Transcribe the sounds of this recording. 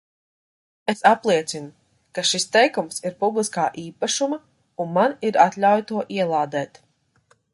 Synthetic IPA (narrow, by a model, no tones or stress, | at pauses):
esaplˠiɛt̪sinu | kaʃist̪ɛjkumsiɾpublˠiskaːʔiːpaʃumɐ | unmaniɾat̪lʲawjt̪uɔʔiɛlˠaːd̪ɛːt̪